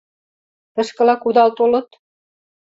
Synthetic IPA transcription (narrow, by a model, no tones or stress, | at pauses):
t̪ɤ̆ʃkɤ̆lɑkud̪ɑlt̪olɤ̆t̪